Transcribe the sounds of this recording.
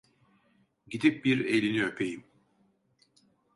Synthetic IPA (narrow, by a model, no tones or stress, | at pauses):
ɟid̪ip̚biɾelʲiniøpʰe̞jim